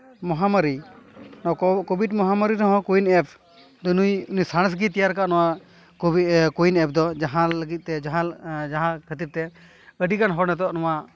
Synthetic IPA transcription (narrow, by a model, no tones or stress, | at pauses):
mɔɦaməɾinɔkɔbiɖmɔɦaməɾiɾɔɦɔ̃kuinɛp̚ʰ | d̪nujunujsaɽ̃s̬ɡit̪ɛjaɾkaʔnɔwa | kujinɛp̚ʰd̪ɔd͡ʒaɦãləɡit̪̚ˀt̪ɛd͡ʒaɦãd͡ʒaɦãkʰət̪iɾ̚t̪ɛ | əɖikanɦɔɾnɛt̪ɔɔʔnɔwa